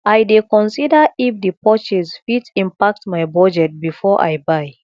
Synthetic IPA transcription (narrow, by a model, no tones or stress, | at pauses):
ʔajdekɔ̃nsidəifdipɔt͡ʃizfitĩmpak̚tmajbɔd͡ʒɛt̚bifɔʔa̰jbaj